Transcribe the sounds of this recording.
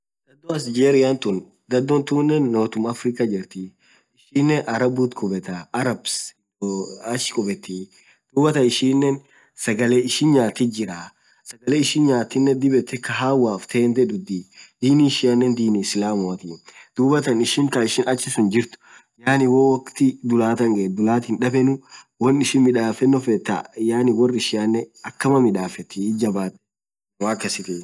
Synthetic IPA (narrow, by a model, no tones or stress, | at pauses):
ɡ̪ɐd̪ːoɐsd͡ʒeːɾɪjant̪ʊn | ɡ̪ɐd̪ːɔnt̪uːnːɛnːoːt̪ʊmɐfɾɪkɐd͡ʒɪɾt̪i | ɪʃiːnːɛnʔɐɾɐbuːt̪kʰɔbɛt̪aɐɾɐbs | ɐʃɪ̥kʼɔbɛt̪ːi | d̪̥uːbɐt̪ɐɪʃiːnːɛn | sɐɡɐleɪʃɪnɲaːt̪ːɪd͡ʒɪɾa | sɐɡɐleːɪʃɪnɲaːt̪ːɪnːɛd̪ɪbɛt̪ːɛkɐɦaːwaːft̪ʰeːnd̪ɛd̪ʊd̪id̪̥iːniɪʃɪɐnːɛnd̪iːniːsɪlaːmɔɐt̪id̪̥uːbɐt̪ɐnɪʃɪŋkɐɪʃɪnɐt͡ʃːɪsʊnd͡ʒɪɾt̪ʊ̥ | jaːnɪwɔwɐkt̪ɪd̪ʊlaːt̪ɐŋɡɐd̪ʊlaːt̪ɪnᶑɐbɛnʊ | wɔnːɪʃɪnmɪᶑaːfɛnːɔfɛt̪ːa̰jaːnɪwɔrːɪʃɪɐnːɛɐkːɐmɐmɪᶑaːfɛt̪ːɪd͡ʒɐbaːt̪ːɛ̥ | waːkːɐsɪt̪ɪ